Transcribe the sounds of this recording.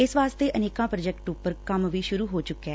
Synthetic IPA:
ɪsʋaːst̪eːʔəneːkãːpɾəd͡ʒɛkʈʊpːəɾkəmʋiːʃʊɾuːɦoːt͡ʃʊkːɛː

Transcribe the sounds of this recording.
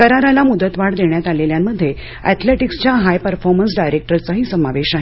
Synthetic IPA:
kəɾaɾalamud̪ət̪ʋaɽd̪eɳjat̪aleljamːəd̪ʱːje | ɛ̰t̪ʰleʈikst͡ɕjaɦajpəɾfɔɾməns̬ɖajɾek̚ʈəɾt͡saɦiːsəmaʋeɕaɦe

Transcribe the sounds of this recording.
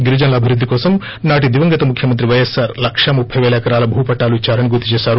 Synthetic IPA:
ɡiɾud͡ʒɐnɐlɐːbʱiɾud̪ʱːikɔːsɐm | naːʈ̬id̪iʋɐŋɡɐt̪ɐmukʰjɐmɐnt̪̬ɾiʋɐjesaːɾlɐkʂɐmupʰːɐjʋɛːlɐɐkɐɾaːlɐbʱuːpɐʈːaːluit͡ʃːaːɾɐniɡuɾt̪ːit͡ʃɛːsaːɾu

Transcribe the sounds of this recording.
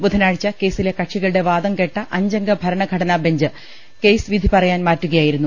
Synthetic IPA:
bud̪ʱɐnaːɻit͡ɕːɐke̞ːsilekɐʈʂiɣɐɭɨɽe̞ʋaːd̪ɐmke̞ʈːɐʔɐɲd͡ʑɐŋɡɐbʱɐɾɐɳɐɡʱɐɽɐnaːbeɲd͡ʑɨ | ke̞jsɨʋid̪ʱipɐrɐjaːnmaːtːuɣɐjaːjiɾunːu

